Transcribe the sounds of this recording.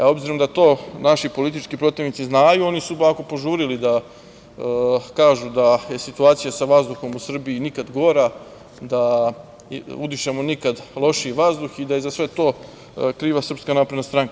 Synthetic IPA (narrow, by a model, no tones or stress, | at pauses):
ao̞bziɾomd̪at̪o̞ːnaʃipo̞lit̪it͡ʃkipɾo̞t̪iʋnit̪iznaːjuo̞nisublakopo̞ʒuːɾilid̪a | kaːʒud̪aje̞sit̪uaːt̪sijasaʋazd̪uxo̞musr̩biinikad̪ɡo̞ɾa | d̪a | ud̪iʃemo̞nikad̪lˠo̞ʃiʋazd̪uxid̪ajezasʋe̞t̪o̞ː | kɾiːʋasr̩pskanaːpɾed̪nast̪ɾaŋka